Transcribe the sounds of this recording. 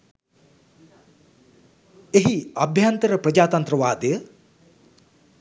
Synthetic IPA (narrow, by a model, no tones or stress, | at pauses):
eɦiabʱjant̪əɾəprəd͡ʒaːt̪ɐnt̪ɾəʋaːd̪əjə